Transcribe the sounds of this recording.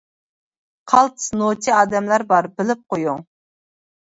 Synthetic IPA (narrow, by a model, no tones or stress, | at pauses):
qʰɑlˠt̪ʰsnot͡ʃ̪ʰiɑːd̪ɛmlɑɾbɑɾbɪlɪp̚qojʊŋ